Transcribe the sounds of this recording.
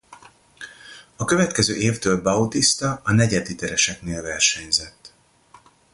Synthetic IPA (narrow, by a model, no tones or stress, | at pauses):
ɒkø̞vɛt̪kɛzø̰ːʔeːft̪øːlbɒut̪ist̪ɒɒnɛɟɛd̪it̪ɛɾɛʃɛkneːlvɛrʃɛɲzɛt̪ː